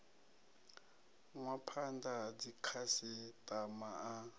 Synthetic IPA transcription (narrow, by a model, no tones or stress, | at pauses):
ŋwapʰandad͡zikʰasitamaː